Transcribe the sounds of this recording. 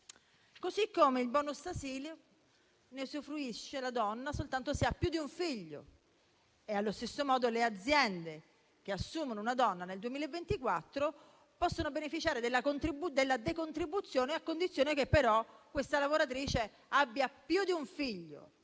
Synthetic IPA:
kosikːomeilbɔnost̪asiːl | nesufɾuiʃːelad̪ɔnːasolt̪ant̪oseapːjud̪iuɱfiʎːo̰ | ealːost̪esːomɔːd̪olead̪zːjɛnd̪e | k̟easːuːmonounad̪ɔnːaneld̪uemiːlevːent̪ikwat̪ːɾo | pɔsːonobenefit͡ʃaːɾed̪elːakont̪ɾibud̪elːad̪ekont̪ɾibːut̪sːjoːneakːond̪it̪sːjoːnekepːeɾɔkːwest̪alavoɾat̪̬ɾiːt͡ʃe | abːjapjud̪iuɱfiʎːo̰

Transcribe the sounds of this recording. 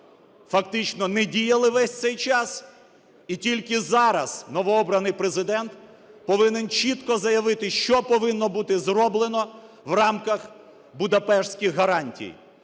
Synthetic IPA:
fɐkt̪ɪt͡ʃnɔnɛdʲijɐlˠɪʋɛsʲt̪sɛjt͡ʃɑs | itʲilʲkɪzɑɾɐznɔʋɔɔbɾɐnɪjpɾezɪd̪ɛnt̪ | pɔʋɪnɪnt͡ʃit̪kɔzɐjɐʋɪt̪ɪʃt͡ʃɔpɔʋɪnːɔbut̪ɪzrɔblˠenɔ | ʋrɑmkɐx | bʊd̪ɐpɛʃsʲkʲixɦɐɾɑnʲtʲḭj

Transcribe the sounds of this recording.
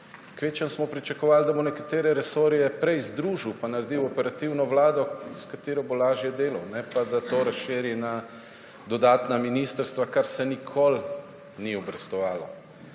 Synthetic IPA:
kʋeːt͡ʃənsmɔpɾit͡ʃakɔʋaːld̪abonɛkat̪eːɾɛɾɛsoːɾijɛpɾɛjzd̪ɾuːʒiwpanaɾd̪iwɔpɛɾat̪iwnɔʋlaːd̪ɔskat̪eːɾɔbolaːʒjɛd̪eːlɐwnɛpad̪at̪oɾasʃɪːɾina | d̪ɔd̪aːt̪naminist̪əɾst̪ʋakaɾsɛnikʰol | niɔbɾɛst̪ɔʋaːlɔ

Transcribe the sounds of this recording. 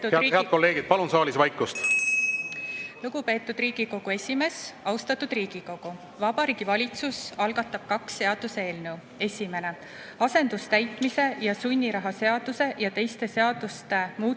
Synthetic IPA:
heɑt̪̚ko̞lːe̞ːɡ̥id̪̥̚pɑlunsɑːlisvɑjkːˑust̪ | luɡ̥upe̞ːt̪ːˑud̪riːɡ̥iko̞ɡ̥ue̞sʲime̞sɑwst̪ɑt̪ːˑud̪riːɡ̥iko̞ɡ̥u | vɑbɑɾiːɡ̥ivɑlʲit̪susɑlɡɑt̪ːˑɑb̥̚kɑksːe̞ɑd̪̥use̞ːlne̞w | e̞sʲime̞ne̞ | ɑse̞nd̪̥ust̪æjt̪ˑmise̞jɑsunʲːiɾɑɦɑse̞ɑd̪̥use̞jɑt̪e̞jst̪e̞se̞ɑd̪̥ust̪e̞muː

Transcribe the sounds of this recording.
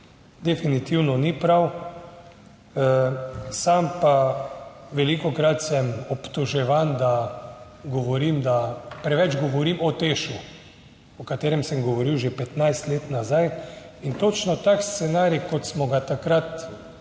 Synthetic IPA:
d̪ɛfinit̪iwnɔnipɾaw | sampa | ʋɛlikɔkɾat̪sɛmɔpt̪ɔʒɛʋand̪a | ɡɔʋɔɾimd̪apɾɛʋɛd͡ʒɡɔʋɔɾimɔt̪eːʃu | ɔkat̪eːɾɛmsɛmɡɔʋɔɾiwʒepɛt̪najst̪leːt̪nazaj | int̪ot͡ʃnɔt̪akst̪sɛnaːɾikɔt̪smɔɡat̪akɾat̪

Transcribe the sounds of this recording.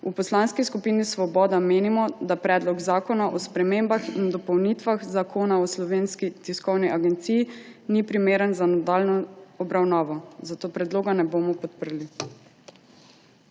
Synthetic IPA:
upɔslaːnskiskupinisʋɔbɔːd̪ameːnimɔd̪apɾɛːd̪lɔɡzaːkɔnaʔɔspɾɛmembaxind̪ɔpɔwnit̪ʋaxzakʰoːnaɔslɔʋeːnskit̪iskɔwniʔaɡɛnt̪siːjinipɾimeːɾənzanad̪aːlnɔɔbɾawnaːʋɔzat̪oːpɾɛd̪loːɡanɛboːmɔpɔt̪pəɾli

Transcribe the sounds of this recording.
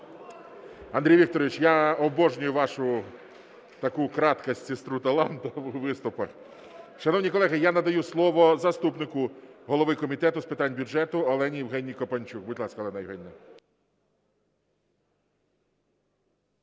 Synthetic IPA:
ɐnd̪ɾʲijʋʲik̚t̪ɔɾɔʋʲit͡ʃjaɔbɔʒnʲʊjʊʋɑʃʊ | t̪ɐkukɾɑt̪kɐsʲtʲsest̪ɾut̪ɐlˠɑnt̪ɐwʋɪst̪ʊpɐx | ʃɐnɔwnʲijkɔlˠɛɦɪjanɐd̪ɐjuslˠɔʋɔzɐst̪upnɪkʊɦɔlˠɔʋɪkɔmʲit̪ɛt̪ʊspɪt̪ɑnʲbʲjʊd͡ʒɛt̪ʊɔlˠɛnʲijwɦɛnʲːijkɔpɐnʲt͡ʃʲukbʊdʲlˠɑsʲkɐɔlˠɛnɐjʋɦɛnʲːɛ

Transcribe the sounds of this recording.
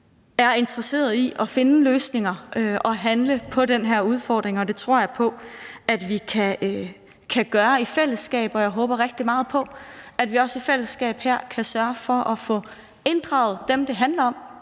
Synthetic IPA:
æɐe̝nd̥ʁɐse̝̰ːɐð̩ˠiʔɒ̽fe̝nəløːsne̝ŋɐʔøʔɒ̽ɦænləpʰɒ̽denɦæɐ̰uð̞ˠfɒ̰ːd̥ʁeŋɒ̽d̥e̝t͡sʰʁo̝̰ɐ̰jɑɪpʰɒ̽æd̥ʋikʰæø | kʰæɡ̥ɶːɐifel̰əsɡ̥ɛ̰ːb̥ɒ̽jɑ̈ɪɦɔ̽ːb̥ɐʁeɡ̥̚d̥imɑ̈ːð̞̩ˠpʰɒ̽æd̥ʋiɒ̽sifel̰əsɡ̥ɛ̰ːb̥hæɐ̰kʰæsɶɐfɒ̽ʔɒfɔ̽ | e̝nd̥ʁɑ̈ʊð̞̩ˠd̥emd̥e̝ɦænlɐɒ̽m̰

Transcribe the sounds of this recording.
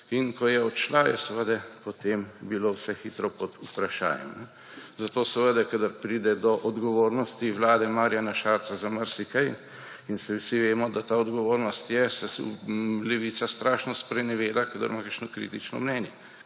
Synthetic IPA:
inkɔjɛɔt̪t͡ʃlajɛsəʋəd̪ɛpɔt̪eːmbilowsɛxiːt̪ɾɔpɔd̪upɾaʃa̰ːjɛ̰mnɛ | zat̪oːsəʋəd̪ɛkad̪əɾpɾid̪ɛd̪ɔʔɔd̪ɡɔʋoːɾnɔst̪iwlaːd̪ɛmaɾjanaʃaːɾt̪sazaməɾsikaj | insɛwsiʋeːmɔd̪at̪aːɔd̪ɡɔʋoːɾnɔst̪jɛsɛ | lɛʋiːt̪sast̪ɾaːʃnɔspɾɛjnɛʋeːd̪akad̪ə̰ɾmakəɾʃnɔkɾḭːt̪it͡ʃnɔ̰mnɛːnjɛ

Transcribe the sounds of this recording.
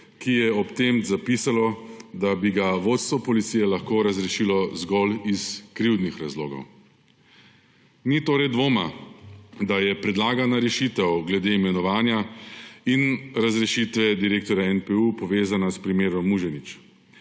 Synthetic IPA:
kijɛɔpt̪emzapiːsalɔd̪abiɡaʋoːt̪st̪ʋɔpɔlit̪sijɛlaxkoːɾazɾɛʃilɔzɡɔliskɾiwd̪nixɾazlo̰ːɡɔ̰w | nit̪oːɾɛjd̪ʋoːma | d̪ajɛpɾɛd̪laːɡanaɾɛʃiːt̪ɛwɡlɛd̪eimɛnɔʋaːnjainɾazɾɛʃit̪ʋɛd̪iɾeːk̚t̪ɔɾjaɛnpɛupɔʋeːzanaspɾimeːɾɔmːuʒɛnit͡ʃ

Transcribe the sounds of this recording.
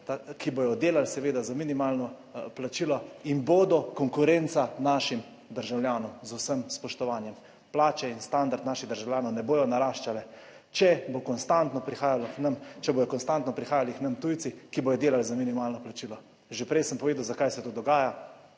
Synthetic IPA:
t̪akibojɔd̪eːlalsɛʋeːd̪azaminimaːlnɔ | plat͡ʃiːlɔinboːd̪ɔkɔŋkuɾent̪sanaʃim | d̪əɾʒawljaːnɔmzusəmspɔʃt̪ɔʋaːnjɛm | plaːt͡ʃɛinst̪and̪aɾt̪naːʃiɣd̪əɾʒawljaːnɔwnɛboːjɔnaɾaːʃt͡ʃalɛ | t͡ʃɛbokɔnst̪ant̪nɔpɾixaːjalɔknɐmt͡ʃɛboːjɔkɔnst̪ant̪nɔpɾixaːjaliknɐmt̪ujt̪sikibojɔd̪eːlalzaminimaːlnɔplat͡ʃiːlɔ | ʒepɾɛjsəmpɔʋeːd̪awzakajsɛt̪oːd̪ɔɡaːja

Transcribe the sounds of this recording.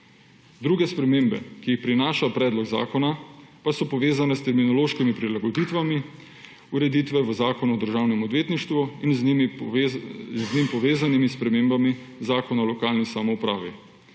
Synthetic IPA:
d̪ɾuːɡɛspɾɛmeːmbɛ̰kiixpɾinaːʃapɾɛːd̪lɔɡza̰ːkɔnapasɔpɔʋeːzanɛst̪ɛɾminɔloːʃkimipɾilaɡɔd̪iːt̪ʋami | uɾɛd̪iːt̪ʋɛʋəzaːkɔnuɔd̪əɾʒaːwnɛmɔd̪ʋeːt̪niʃt̪ʋuinzm | znimpɔʋeːzanimispɾɛmembami | zaːkɔnalɔkaːlnisamɔupɾa̰ːʋḭ

